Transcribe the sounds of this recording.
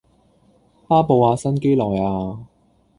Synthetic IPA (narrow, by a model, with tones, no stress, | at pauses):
paː˥po˨˧waː˧sɐ˥nke˥jlɔː˨˩jaː˧